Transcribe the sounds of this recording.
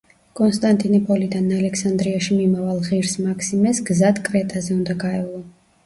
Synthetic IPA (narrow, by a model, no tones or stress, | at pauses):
kʼɔnst̪ʼant̪ʼinipʼɔlid̪analɛkʰsand̪ɾiaʃimimavalˠʁiɾsmakʰsimɛsɡzad̪kʼɾɛt̪ʼazɛund̪aɡaɛlˠɔ